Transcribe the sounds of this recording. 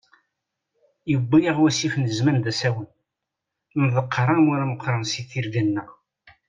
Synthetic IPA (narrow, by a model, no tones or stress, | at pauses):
jəbːijəʁwæsifnəzmænðæsæwən | nðˤəqʰːɾˤɑmaɾaməqːɾˤɑnsiθiɾɡænːæ